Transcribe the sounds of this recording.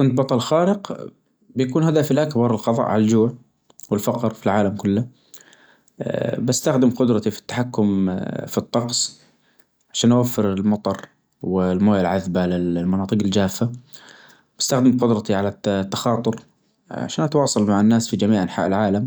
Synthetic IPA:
kɪnt̪̚bɑt̪ˤɑlxaːɾɪq | bjakuːnhad̪afilʔakbɑɾˤɪlxɑðˤɑ̰ʔʕalald͡ʒʊːʕ | wɪlfɑqɾˤfilʕaːlamkʊlːa | bɪst̪axd̪ɪmqʊd̪ɾˤɑt̪ifi̥t̪ːḁħakːʊmfit̪ˤːɑqsˤ | ʕaʃaːnʔawafːɪɾɪlmɑt̪ˤɑɾˤ | wɪlmoːjalʕaðbalɪlmɑnɑːt̪ˤɨqɪld͡ʒaːfːa | b̥ɪst̪axd̪ɪmqʊd̪ɾˤɑt̪iʕalat̪ːaxɑːt̪ˤʊɾ | ʕa̰ʃaːnʔat̪wɑːsˤɑlmaʕanːaːsfid͡ʒamiːʕʔanħa̰ːʔɪlʕaːlam

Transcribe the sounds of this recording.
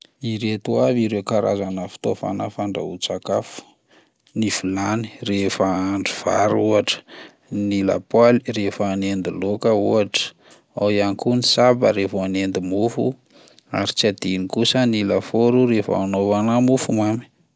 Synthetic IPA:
iɾet̪uaviɾewkaɾa̰zanəfi̥t̪ofa̰nəfaɳɖ͡ʐa̰ut͡sakafu̥ | nifulani̥refəaɳɖ͡ʐiv̥a̰ɾuaʈ͡ʂə̥ | nila̰paliɾefəːnend̪ilokəuaʈ͡ʂə̥ | awianikunisabə̰ɾefoanend̪imufṵ | a̰ɾit͡sad̪inikusənilafoɾuɾefanovanamufumami̥

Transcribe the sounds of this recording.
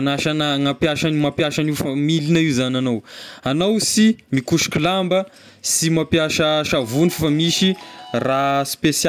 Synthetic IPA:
naʃanəŋapjaʃanimapjaʃanifamilinəiwzananowanowsimikuʃi̥kʲulambə | simapjaʃəʃavunifafamiʃiraspes

